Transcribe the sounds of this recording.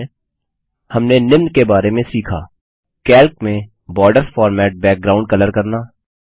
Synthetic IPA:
hɐmnenɪmnkebaːɾemẽsiːkʰa̰ː | kɛːlk̚mẽ | bɔːɾɖəɾfɔːɾmɛːʈ̚bɛːk̚ɡɾaːʊ̃ɳɖ̚kələɾkɐɾnaː

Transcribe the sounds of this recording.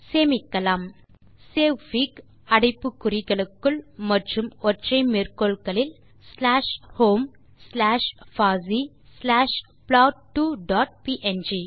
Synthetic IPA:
seːmikːɐlaːm | seːʋʋiːk | ɐɽɪpːɯkːʊɾɪɣɐɭɯkːɯlmɐʈrɯmoʈrɐɪmeɾkoːlkɐlɪl | slaːʂhoːm | slaːʂfaːziː | slaːʂ | plaːʈʈːuːɖɔːʈ̚piːʔend͡ʒiː

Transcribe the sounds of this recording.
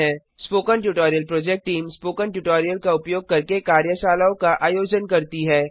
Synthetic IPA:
ɦɛ̃ː | spoːkə̃ɳʈjuʈɔːɾijəlpɾoːd͡ʒɛk̚ʈːiːmspoːkə̃ɳʈjuʈoːɾijəlkaʊpjoːɡ̚kɐɾkekaːɾjəʃaːlaːõkaʔaːjoːd͡ʒənkɐɾt̪iɦɛː

